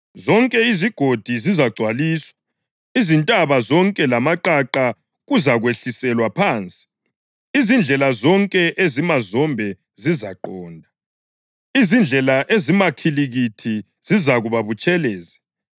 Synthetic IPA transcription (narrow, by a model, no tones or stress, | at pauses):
zɔŋkʼɛiziɡ̥ʱod̥ʱizizaɡ͡ǀʱwaliːswḁ | izintʼaβazɔŋkʼɛlamaǃaǃa | ɣuzaɣweɬisɛlwapʰaːnt͡sʼi̥ | izind͡ɮʱɛlazɔŋkʼɛʔezimazɔmbʱɛ | zizaǃɔːndʱa | izind͡ɮʱɛlaʔezimakʰiliɣitʰi | zizaɣuβaβut͡ʃʼɛlɛːzi